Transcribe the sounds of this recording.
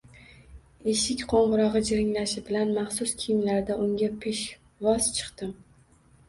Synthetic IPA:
eʃɪkʲqʰoɴʁɨɾɒʁɨd͡ʒɪɾɪŋlaʃɪbɪlanmɑχsʊskʲʰɪjɪmlaɾd̪aʔʊŋɡʲapʰeʃ | vɒz̥t͡ʃʰɨ̥qt̪ɪm

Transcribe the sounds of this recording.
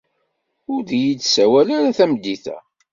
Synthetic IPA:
ʊɾðjid̪sæwælaɾaθæmd̪ːiθæ̰

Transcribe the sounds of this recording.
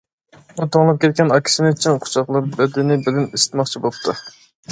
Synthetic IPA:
but̪ʰoŋlˠɑp̚kʲʰɛt̪̚kʲɛnɑkʲʰi̥sɪnɪt͡ʃʰinqʰʊ̥t͡ʃʰɑχlˠɑɾbɛd̪ɪnɪbɪlɪnesɪ̥t̪mɑχt͡ʃʰibolˠp̚t̪ʰu

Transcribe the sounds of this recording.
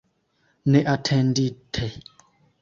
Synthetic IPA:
nɛʔatʰɛnditʰɛ

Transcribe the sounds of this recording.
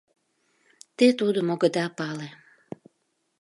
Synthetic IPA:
t̪et̪ud̪əmoɡəd̪ɑpɑle

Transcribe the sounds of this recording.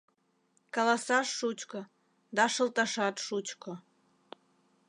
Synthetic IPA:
kɑlɑsɑʃːut͡ɕko | d̪ɑʃə̆lˠt̪ɑʃɑt̪ʃut͡ɕko

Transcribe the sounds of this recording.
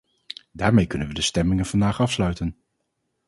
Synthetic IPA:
daːɹmejkɵnənʋədəstɛmɪŋənvɑndaːχɑfslœɥtən

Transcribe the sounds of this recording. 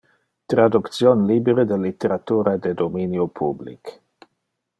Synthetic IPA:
t̪ɾad̪ukt̪sjonlibeɾed̪elːit̪eɾat̪uːɾad̪ed̪ominjopʰublḭk

